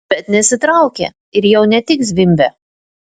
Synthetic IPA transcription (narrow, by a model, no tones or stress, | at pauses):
b̥ʲɛt̪nʲɛsʲɪt̪ɾɐʊkʲḛ | ɪɾjɛʊnʲɛt̪ʲɪks̬ʋʲɪmʲbʲɛ